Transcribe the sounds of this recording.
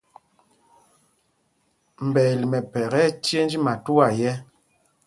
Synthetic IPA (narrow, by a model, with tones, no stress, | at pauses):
m̩˨bɛ˨li˨mɛ˨pɛ˨ɣɛ˦tje˦n˦d͡ʒi˦ma˨tu˦a˦˨jɛ˦